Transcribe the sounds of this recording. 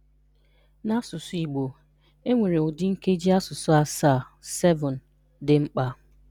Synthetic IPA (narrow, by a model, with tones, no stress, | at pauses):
na˦sʊ˨sʊ˨i˨ɡ͡bo˨ | e˦ŋʷe˨ɾe˨ʊ˨dɪ˦ŋ̩˦ke˦d͡ʒi˦a˦sʊ˨sʊ˦a˨saː˦˨ | sɛ˦vɔ˨n̩˨ | dɪ˨ŋ͡m̩˦k͡pa˦